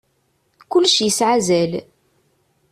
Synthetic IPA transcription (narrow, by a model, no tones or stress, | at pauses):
kʊlːʃjəsʕazæl